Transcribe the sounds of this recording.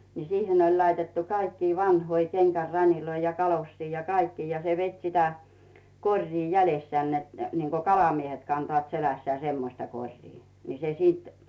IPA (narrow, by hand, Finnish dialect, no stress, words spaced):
niː sihen olʲ lɑitetːu kɑikːiː ʋɑnhoi kenɡ̊ær rɑniloi jɑ kɑlosːiː jɑ kɑikːiː jɑ se ʋet sitæ korʲriː jælesːĕæˑn net niŋko kɑlɑmiehet kɑntŏɑˑt selæsːæː semːostɑ korʲriː ni se siˑt